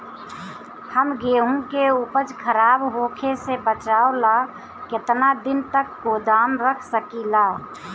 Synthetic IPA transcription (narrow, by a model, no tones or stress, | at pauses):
həmɡeɦũkeupət͡ʃkʰəɾaːbɦokʰesebət͡ʃaːola | ket̪nad̪ɪnt̪əkːod̪amɾəkʰsəkila